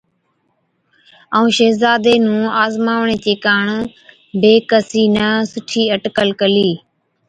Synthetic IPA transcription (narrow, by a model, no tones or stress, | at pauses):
əũːʃeːzaːd̪eːnũːaːzmaːʋɳeːt͡ʃeːkaːɳ | beːkəsiːnaːsʊʈʰiːəʈkəlkəliː